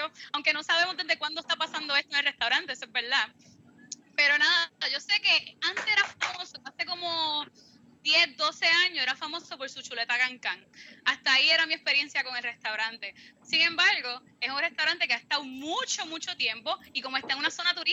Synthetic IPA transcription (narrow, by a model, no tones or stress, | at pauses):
oawŋke̞no̞saβe̞mozd̪ðedðekwand̪ost̪apasand̪o̞e̞st̪oeŋelrest̪awɾãnt̪esebe̞ɾða | pe̞ɾo̞naðaʝo̞se̞ke̞ant̪eeɾafamosoase̞ko̞mo̞ | d̪jesd̪o̞se̞ãɲose̞ɾafamo̞so̞po̞ɾsut͡ʃule̞t̪akaŋkaŋast̪aːie̞ɾamiespe̞ɾje̞nsjako̞ŋelre̞st̪awɾãnt̪e̞siŋẽ̞mbaɾɣo̞ | esunre̞st̪awɾant̪e̞keaest̪awmũt͡ʃo̞mut͡ʃo̞t̪je̞mpo̞iko̞moest̪aeŋunaso̞nat̪uɾi